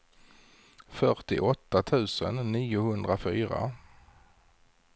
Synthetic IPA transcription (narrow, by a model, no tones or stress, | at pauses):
fœʈɪ̰ʔɔt̪ːat̪ʰʉ̟ːsə̰nːiːʊhɵnd̪ɾafyːɾa̰